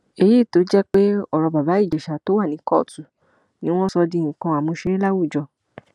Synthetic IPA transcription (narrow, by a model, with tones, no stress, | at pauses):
e˨˧ji˦˨to˨˦d͡ʒɛ˦k͡pe˦ɔ˦˨ɾɔ˧ba˨ba˨˦i˦˨d͡ʒɛ˨ʃa˨to˨˦wa˦˨nĩ˨˦kɔ˦˨tu˨ | nĩ˦w̃ɔ̃˦sɔ˧dĩ˧˨ĩ˨kã˧a˨mũ˧ʃe˧ɾe˦la˦wu˦˨d͡ʒɔ˧˨